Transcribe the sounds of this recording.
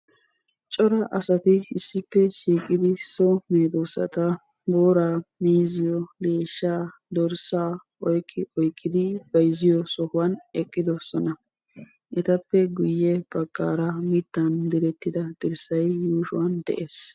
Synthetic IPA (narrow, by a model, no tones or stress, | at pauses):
t͡ʃʼɔɾɐʔɐsɐt̪ɪɪsːɪpːɛʃiːkʼɪd̪ɪsɔmeːd̪osɐ̰t̪ɐ | boːɾaːmiːzɪjɔleːʃːaːd̪ɔɾsaːʔɔjkʼːɪɔjkʼːɪd̪ɪb̥ɐjzɪjɔsɔhʊwɐnɛkʼːɪd̪ɔsɔnɐ | ʔɛt̪ɐpːɛɡʊjːɛb̥ɐɡːa̰ːɾɐmɪd̪ːɐnd̪ɪɾɛt̪ːɪd̪ɐd̪̥ɪɾsɐjːuːʃʊwɐnd̪ɛ̰ʔeːs